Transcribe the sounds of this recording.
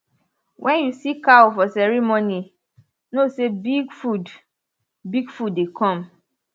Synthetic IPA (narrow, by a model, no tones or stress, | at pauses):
wʔɛ̃njusikafɔsɛɹimoni | nosebiɡfud | biɡfudːekɔ̃m